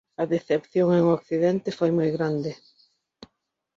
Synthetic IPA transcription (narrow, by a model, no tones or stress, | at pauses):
ɐðeθepθjoŋeŋokθiðɛnt̪ɪfojmojɣɾand̪ɪ